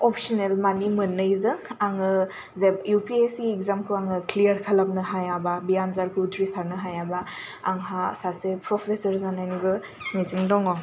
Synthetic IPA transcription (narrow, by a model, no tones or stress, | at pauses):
ɔpsɔnelmanimɯnːɯjzɯŋaŋɯ | zejupiesiekzamkʰuaŋɯklijəɾkʰɐlap̚nɯɦajababijanzaɾkʰutʰɾisaɾnɯɦajaba̰ːŋɦasasepɾɔpʰesɐɾzanajnibɯ | niziŋdɔŋɔ